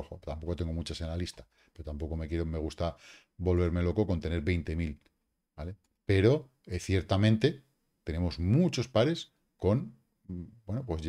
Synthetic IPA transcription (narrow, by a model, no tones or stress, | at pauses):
oxot̪ampo̞kot̪e̞ŋɡo̞mut͡ʃase̞nlalist̪a | pe̞ɾot̪ampo̞ko̞me̞kje̞ɾome̞ɣ̞ust̪a | bo̞lβe̞ɾme̞lo̞ko̞ko̞nt̪e̞ne̞ɾβe̞jnt̪e̞mil | bale̞ | pe̞ɾo̞ | eθje̞ɾt̪amẽnt̪e̞ | t̪e̞ne̞mo̞zmut͡ʃo̞spaɾe̞s | ko̞n | bwe̞nopwo̞zʝ